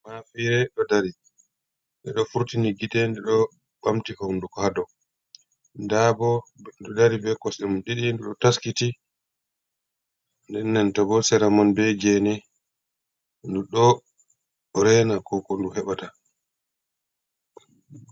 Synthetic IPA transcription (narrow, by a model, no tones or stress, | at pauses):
mafiɾɛɗɔdaɾi | ɗɛɗɔfuɾtiniɡitɛndɛɗɔ | bamtikɔndukɔhadɔ | ndabɔɗɔdaɾibɛkɔsɛmunɗiɗindɛɗɔtaskiti | ndɛnːɛntɔbɔsɛɾamɔnbɛɡɛnɛ | nduɗɔ | ɾɛnakɔkɔnduhɛɓata